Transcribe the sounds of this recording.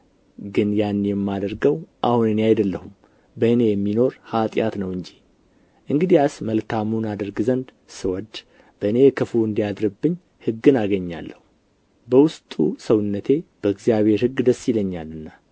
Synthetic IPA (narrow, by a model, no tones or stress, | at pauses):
ɡɨnjanːjɛmːad̪əɾɡəwʔahunɨneajd̪əlːəhum | bəɨne̞jɛmːino̞ɾhat̪ʼjat̪nəwɨɲd͡ʒi | ʔɨŋɡɨd̪ijasməlkʰamunad̪əɾɡzənd̪ | sɨwɔd̪ | b̥əɨne̞jɛkʰəfuɨnd̪ijad̪ɾɨbːɨɲː | hɨɡːɨnaɡəɲːa̰lːəhu | bəwʊst̪ʼusəwɨnːət̪ʰe̞b̥əɨɡzijaβhe̞ɾhɨɡːd̪əsːiləɲːalɨnːa